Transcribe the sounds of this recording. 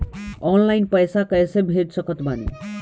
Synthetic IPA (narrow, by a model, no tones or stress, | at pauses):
ɔnlajnpəjsakʌjsebʱeʈsʌkət̪banḭ